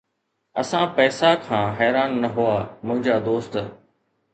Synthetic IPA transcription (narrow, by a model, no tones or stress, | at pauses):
ɐsãpɛːsakʰãːɦɛːɾaːnːɐɦuaːmʊ̃ɦɪ̃ɲd͡ʑaːd̪oːst̪